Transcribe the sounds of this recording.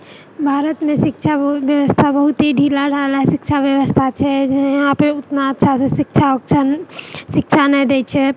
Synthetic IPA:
bʱaːɾət̪mẽsɪk̚t͡ʃʰaʋjəwəst̪ʰabəɦʊt̪ɦiɖʱiːlaɖʱaːlaɛsɪk̚t͡ʃʰaʋjəwəst̪ʰat͡ʃʰɛd͡ʒjɦãpəʊt̪naətːʃʰasesɪkt͡ʃʰat͡ʃʰ | ʃɪk̚t͡ʃʰanəid̪et͡ʃʰɛ

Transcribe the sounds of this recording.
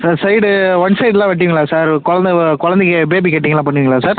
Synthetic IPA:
saːɾsɐɪɽʋɐnsɐɪɖlãːʋɐʈ̬ːɪʋĩŋɡɐɭaːsaːɾkɔɻɐnd̪ɐkɔɻɐ̃nd̪ɛk̬ːɯbeːbikɛʈ̬ːiŋɡɐlãːpɐɳːɪʋiŋɡɐɭaːsaːɾ

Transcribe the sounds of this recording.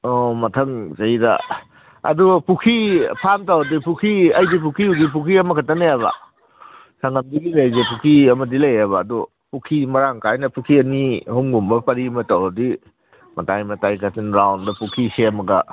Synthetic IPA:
ɔmɐtʰɐŋzɐjdɐ̰ | ɐ̰dupukʰipʰamtawɐdipukʰiɐjdipukʰiudip̬ukʰiɐmɐkʰatːaneaβɐ̰ | sɐŋɐmdiɡilɐjzepukʰiɐmɐdilɐjaβɐːdu | pukʰimɐɾaŋkajnɐpukʰiɐnihoŋɡumbɐpɐɾimɐtawdi | mɐtajmɐtajkatinɾawndɐpukʰiseɐmɐɡɐ

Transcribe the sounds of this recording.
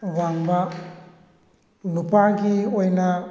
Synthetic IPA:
βaŋba | lupaɡiojna

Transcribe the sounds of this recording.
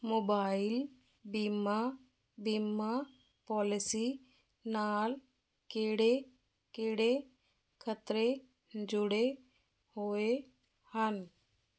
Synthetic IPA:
moːbaːɪl | bima | bimːa | pɔːlɪsi | naːl | keːɽe | keːɽe | kʰət̪ɾe | d͡ʒʊɽe | hoe | hən

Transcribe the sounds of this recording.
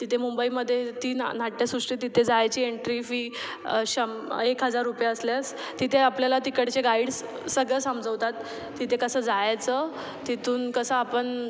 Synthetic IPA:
t̪it̪ʰemumbəiməd̪ʱːjet̪iːnnaʈːjasɾuʂʈiːt̪̬it̪ʰed͡zajt͡ɕiːeɳʈɾifiː | ɕəmekɦəd͡zaɾːupjaəsljasː | it̪ʰeapljalat̪ikəɽt͡ɕeɡaiɽs | səɡɭəsəmd͡zəʋt̪at̪ː | it̪ʰekəsəːd͡zajt͡sə | t̪it̪ʰuːnkəsəapəɳ

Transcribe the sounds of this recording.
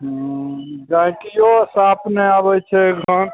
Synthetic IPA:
ɦ | d͡ʒakijosapnɛabɛt͡ʃʰɛɡʱəɳ

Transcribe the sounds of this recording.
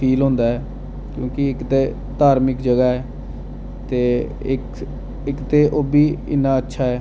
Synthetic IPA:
pʰiːlɦʊ̃nd̪aːɦɛː | kjõːkɪɪkt̪eː | t̪aːɾmɪkd͡ʒəɡaːɛː | t̪eː | ɪk | ɪkt̪eːʔoːbiːɪ̰nːãːətːʃʰaːɛː

